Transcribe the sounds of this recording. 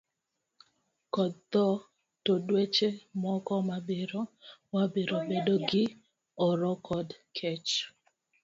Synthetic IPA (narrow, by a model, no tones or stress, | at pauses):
kɔd̪̚t̪ɔ | todwet͡ʃemɔkɔmabeɾowabeɾobedoɡɪ | ɔɾɔkʰɔdkʰɛt͡ʃ